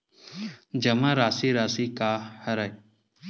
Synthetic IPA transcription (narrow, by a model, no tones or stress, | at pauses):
d͡ʒɐmãɾaːsiɾaːsikaːhɐɾaj